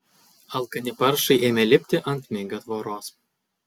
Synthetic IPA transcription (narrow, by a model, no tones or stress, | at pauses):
ɐlˠkɐnʲɪpɐɾʃɐɪʔeːmʲɛlʲɪpʲt̪ʲɪʔɐnt̪ʲmʲeɡʲɐt̪ʋoːɾoːs